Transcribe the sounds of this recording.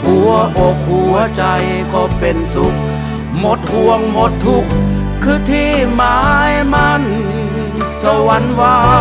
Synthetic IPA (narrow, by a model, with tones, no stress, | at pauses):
ku˨˩ɐʔo˨˧k̚hu˧˩ɐ˦t͡ɕa˧j | kɔː˧˩pe˧nsu˨˦k̚ | mo˧˦t̪̚hu˧əŋmo˧˥t̪ʰːu˧˩k̚ | kʰːɯː˧˩t̪ʰiː˧˥˩maː˧˦jma˧˥n | tʰa˧wa˧˥nwaː˧˩